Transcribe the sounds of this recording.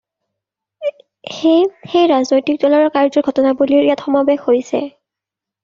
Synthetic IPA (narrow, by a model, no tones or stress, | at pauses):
xexejɹaznojtik̚dɔlaɹɔɹkaɹzɔɡʱɔtɔnabuliɹjatxɔmabɛxhojsɛ̰